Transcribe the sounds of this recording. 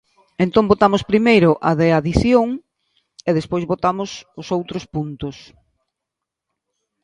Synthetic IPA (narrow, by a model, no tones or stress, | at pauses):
ẽnt̪oŋbot̪amʊspɾimejɾʊʔaðeaðiθjoŋ | eðespojzβot̪amʊsʊsowt̪ɾʊspunt̪ʊs